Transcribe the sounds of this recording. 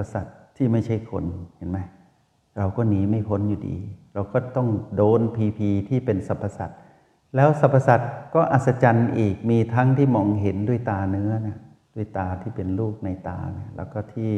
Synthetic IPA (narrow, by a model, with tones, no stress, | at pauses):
a˨pːa˧sa̰˨˩t̪ʰːiː˥˩ma˥˩jt͡ɕʰa˥˩jkʰo̰˧nhe˨˩˦nma˦˥j | ɾa˧wkɔː˥˩niː˨˦ma˥˩jpʰo˦˥njuː˨˩dḭː˧ɾa˧wkɔː˥˩t̪ɔ˥˩ŋdoː˧npʰiː˧pʰiː˧t̪ʰiː˥˩pe˧nsa˨˦pʰːa˧sa˨˩t̪̚ | lɛː˦˥wsa˨˧˦pʰːa˧sa˨˩t̪̚kɔː˥˩ʔa˨˩t̪̚sa˧t͡ɕa˧nʔiː˨˩k̚miː˧t̪ʰa˦˥ŋt̪ʰiː˥˩mɔː˧ŋɦe˩˦ndu˥˩əjt̪aː˧nɯ˦˥ɐna˧˩ | d̥u˥˩əjt̪aː˧t̪ʰiː˥˩pe˧nluː˥˩k̚na˧jt̪a̰ː˧na˧˥lɛ̰˦˥˩wkɔː˥˩t̪ʰiː˥˩